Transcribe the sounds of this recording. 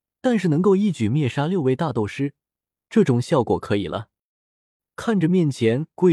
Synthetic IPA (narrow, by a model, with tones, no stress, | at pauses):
t̪a˥˧nʂɻ̩˥˩nɤ˧˥ŋko˥˧ʊi˥˩t͡ɕy˨˩mjɛ˥˩ʂa˥ljo˥˧ʊwe˥˧ɪt̪a˥˧t̪o˥˩ʊʂɻ̩˥ | ʈ͡ʂɤ˥˩ʈ͡ʂʊ˨˩ŋɕjɑ˥˩ʊkwɔ̰˨˩kʰɤ˧˥i˨˩lʔə̰˦ | kʰa˥˩nʈ͡ʂə˨˩mjɛ˥˩nt͡ɕʰjɛ˧˥nkwe˥˩